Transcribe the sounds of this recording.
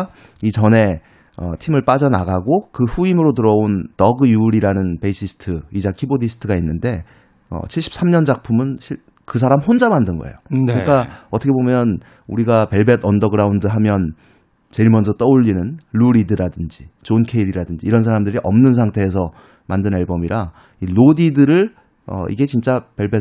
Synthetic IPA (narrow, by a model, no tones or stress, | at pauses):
it͡ɕʌne̞ | ʌ̰tʰimɯɭp͈ad͡ʑʌna̰ɡaɡokɯɸuimɯɾotɯɾʌontʌɡɯjuɾiɾanɯnpe̞ɕʰisʰɯ̥tʰɯid͡ʑakʰibodisʰɯ̥tʰɯɡainːɯnde̞ | ʌ̰t͡ɕʰiɭɕ͈ʰi̥p̚s͈ʰamɲʌnd͡ʑak̚pʰumɯnɕʰi | kɯs̬ʰaɾamhond͡ʑamandɯnɡʌ̰ḛjokɯɲik͈aʌtʰʌkʰe̞bomjʌn | uɾiɡape̞ɭbedʌndʌɡɯɾaundɯɦamjʌn | t͡ɕe̞iɭmʌnd͡ʑʌt͈ʌuʎːinɯnɭuɾidɯɾadɯnd͡ʑit͡ɕonkʰe̞iɾiɾadɯnd͡ʑiːɾʌns̬ʰaɾamdɯɾiʔʌmnɯnsʰaŋtʰe̞ːs̬ʰʌ | mandɯneɭbʌmiɾa | ilodidɯɾɯɭ | ʌ̰ḭɡe̞t͡ɕint͡ɕ͈ape̞ɭbe